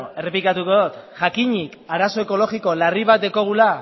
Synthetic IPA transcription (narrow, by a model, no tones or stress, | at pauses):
e̞re̞plikat̪uko̞ðot̪ʝakiɲikaɾaso̞e̞ko̞lo̞ɣiko̞lariβat̪̚d̪eko̞ɣ̞ula